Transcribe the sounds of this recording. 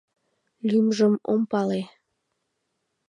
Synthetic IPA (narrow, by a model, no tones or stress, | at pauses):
lʲymʒəmompɑle